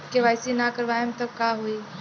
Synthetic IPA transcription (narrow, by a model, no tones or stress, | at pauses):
keʋaːjsinakəɾʋajəmt̪əkkaɦoi